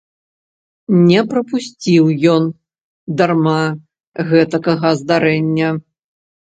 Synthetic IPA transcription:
nʲɛpɾɐpusʲt͡sʲiwjɔn | d̪arma | ɣɛt̪ɐkɐɣɐzd̪aɾɛnʲːɐ

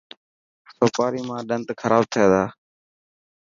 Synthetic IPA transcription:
soːpaːɾiːmãːɗənt̪kʰəɾaːb̚t̪ʰɪeːd̪aː

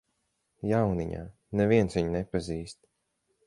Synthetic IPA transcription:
jawniɲa̰ː | nɛviɛnsviɲnɛpaziːst̪

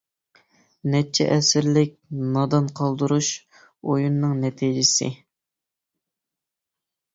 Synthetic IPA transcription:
nɛt͡ʃʰɛ̰ʔɛsɪɾlɪk̚ʲnɑd̪ɑnqʰɑlˠd̪uɾuʃ | ojunːɨŋnɛt̪ʰid͡ʒɪsɪ̰

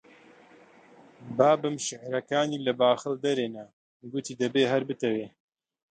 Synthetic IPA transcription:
baːbɨmʃɪʕɾɐkaːniːlɐbaːxɨld̪ɐɾeːnɐ | ɡʊt̪iːd̪ɐbeːɦɐɾbɨt̪ɐweː

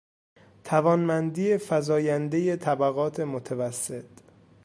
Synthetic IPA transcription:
t̪ʰævɒːnmænd̪iːefæzɒːjænd̪e̞je̞t̪ʰæbæɣɒːt̪ʰe̞mot̪ʰevæsːet̪

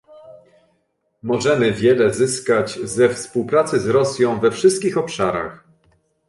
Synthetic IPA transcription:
mɔʐɛmɘvʲjɛlɛzɘskad͡ʑzɛfspuwpɾat̪sɘzɾɔsʲjɔ̃w̃vɛfʂɘst̪̚kʲixɔpʂaɾa̰x

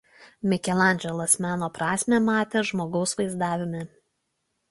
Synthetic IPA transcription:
mʲɪkʲɛlˠɑˑnʲd͡ʒʲɛlˠɐsmʲæːnoːpɾɑːsʲmʲemɑːt̪ʲeːʒmoːɡɒʊsʋɐɪzd̪ɑːʋʲɪmʲɪ

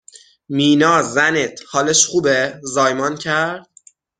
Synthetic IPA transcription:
miːnɒːzænet̪ʰhɒːleʃχuːbezɒːjmɒːncʰæɾd̪̥̚

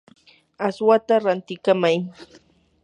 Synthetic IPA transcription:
aswat̪aɾant̪ɪkamaj

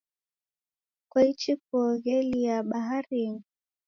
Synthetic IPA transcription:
kwait͡ʃik̚uɔɣɛliaɓaɦaɾiŋ

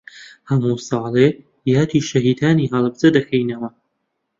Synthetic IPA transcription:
hɐmuːsɑːlˠe | jaːt̪iːʃɐɦiːd̪aːniːɦɐlˠɨb̚zɐd̪ɐkʰɐjnɐwɐ

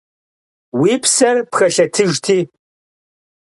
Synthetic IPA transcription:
wiːpʰsɐrpxɐɬɐtʰɨʒtʰiː

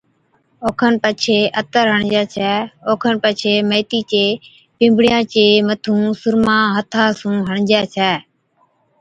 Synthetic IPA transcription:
oːkʰənpət͡ʃʰeːʔət̪əɾɦəɳd͡ʒjaːt͡ʃʰɛːoːkʰənpət͡ʃʰeːməːt̪iːt͡ʃeː | pɪ̃ːmbɽjãːt͡ʃeːmət̪ʰũːsʊɾmãːɦət̪ʰaːsũːɦəɳd͡ʒjaːt͡ʃʰɛː

